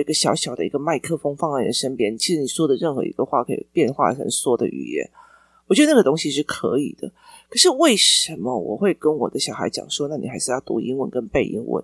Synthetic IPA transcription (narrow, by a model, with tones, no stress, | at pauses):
i˧˥ɡə˧ɕjɑ˧˥ʊɕjɑ˨˩ʊd̪ə˦ḭ˧˥ɡə˧ma˥˧ɪkʰɤ˥˩fo˥ŋfɑ˥˧ŋa˥˩nd̪ə˨˩ʂə˥npjɛ˥n˨t͡ɕʰi˧˥ʂɻ̩˧˥ni˨˩swɔ˥d̪ə˨ɻə˥˩nxɤ̰˧˥ḭ˧˥ɡ̥ə˧xwa˥˩kʰɤ˧˥ḭ˨˩pjɛ˥˧nxwa̰˥˩xə̰˨˩nswɔ˥d̪ə̰˨ʔy̰˨˩jɛ̰˧˥n | wɔ˨˩t͡ɕɥɛ˧˥də˧˩na˥ɡə˩t̪o˥ŋɕi˧ʂɻ̩˥˩kʰɤ̰˧˥ḭ˨˩d̪̥ə˦kʰɤ˨˩ʂɻ̩˥˧we˥˩ɪʂə˧˥nmə˧wɔ̰˨˩xwe˥˩ɪkə˥nwɔ̰˨˩d̪ə˦ɕjɑ˨˩ʊxa̰˧˥ɪt͡ɕjɑ̰˨˩ŋʂwɔ˥na˥˩ni˨xa˧˥ɪʂɻ̩˥˧jɑ˥˩t̪ṵ˧˥ʔi˥ŋwə˥˩nkə˦˥npe˥˩ɪʔi˧˥ŋwə̰˧˦n